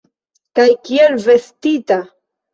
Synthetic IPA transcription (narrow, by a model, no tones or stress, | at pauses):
kajkielvest̪it̪a